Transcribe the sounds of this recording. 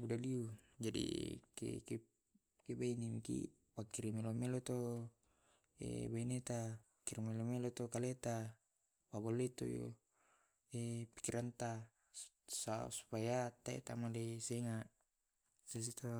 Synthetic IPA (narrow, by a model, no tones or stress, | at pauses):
budaliud͡ʒadḭkḛke | kebainimikḭ | wakiɾimelomelot̪o | ḛbainet̪a | kiɾimelomelot̪okalet̪a | pabolːet̪o̰jo̰ | epi̥kiɾʔant̪a | sa̰su̥pajat̪aɛ̰t̪amalesɛŋa | sas̬it̪ʰo